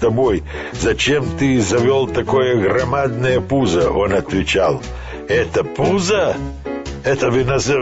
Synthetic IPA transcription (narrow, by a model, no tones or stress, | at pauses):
t̪ɐboj | zɐt͡ʃɛmt̪ɨzɐvʲolˠt̪ɐkɔjɐɣɾɐmad̪nɐjɐpuzɐʔɔnɐt̪vʲɪt͡ʃalˠ | ɛt̪ɐpuzɐ | ɛt̪ɐvɪnɐzɛ